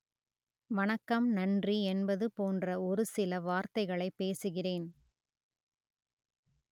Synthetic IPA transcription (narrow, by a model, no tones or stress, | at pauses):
ʋɐnɐkːɐmnɐndriɛnbɐðɯpoːndrɐɔɾɯsɪlɐʋaːɾt̪ɐɪɣɐɭɐɪpːeːsɯɣɪreːn